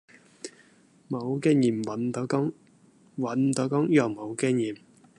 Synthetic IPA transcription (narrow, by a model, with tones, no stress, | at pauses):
mo˨˧wkɛː˥ŋjiː˨˩mwɐ˨˥nt̪o˨˧˥kʊ˥ŋ | wɐ˨˥nt̪o˨˥wkɔ˥ŋjɔː˨˩ŋmo˨˧wkɛː˥ŋjiː˨˩m